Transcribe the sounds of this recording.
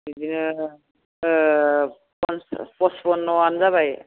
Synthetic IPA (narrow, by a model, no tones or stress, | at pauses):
izinɯ | pɔnspɔsbɔnːɔanzaβaj